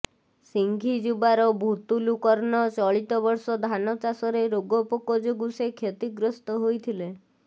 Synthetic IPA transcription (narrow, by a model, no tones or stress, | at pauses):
siŋɡʱid͡ʒubaɾɔbʱut̪ulukɔɾɔnɔt͡ʃɔɭit̪ɔbɔɾsɔd̪ʱanɔt͡ʃasɔɾeɾoɡɔpɔkɔd͡ʒoɡusekʰet̪iɡɾɔst̪ɔɦojt̪ʰile